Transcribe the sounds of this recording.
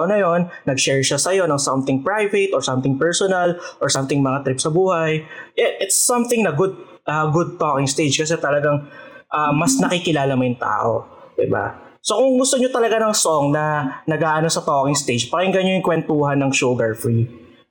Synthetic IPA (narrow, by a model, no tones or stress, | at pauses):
onɐjo̞nːɐɡʃɛɹʃasɐjo̞nɐŋsɐmt̪ɪŋpɹajvɛt̪ʔoɹsɐmt̪ɪŋpɛɹsonɐlʔoɹsɐmt̪ɪŋmɐŋat̪ɾipsɐbuːhɐjʔɛʔɪt̪sːɐmθɪŋnɐɡʊd̪̚ | ʔɐɡʊd̪̚t̪okɪŋst̪ed͡ʒkɐs̬ɛt̪ɐlɐɡaŋʔɐmɐsnɐkikɪlaːlɐmɐjʊŋt̪a̰ːʔo̰ | d̪̥ɪ̰ba̰ | so̞kʊŋɡʊst̪oɲot̪ɐlɐɡanɐŋsoŋnɐnɐɡaːʔɐno̞sɐt̪okɪŋst̪ejd͡ʒpɐkɪŋɡɐɲojʊŋkwɛnt̪uːɦɐnːɐŋʃuɡɐɹfɹi